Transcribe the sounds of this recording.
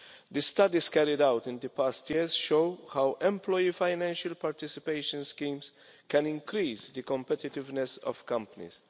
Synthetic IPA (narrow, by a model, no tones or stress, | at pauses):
d̪əst̪ɐd̪iskɛɾɪd̪awt̪ɪ̃nd̪əpaːst̪jɪzʃoʊhawʔɛ̃mplɔjifaɪnɛ̃nʃɐlpaɾt̪ɪsɪpeɪʃə̃nskĩːms | kɛ̃nɪ̃ŋkɾiːsd̪əkɔ̃mpɛt̪ɪt̪ɪvnɛsɔ̰v̥kɐ̃mpɐnḭs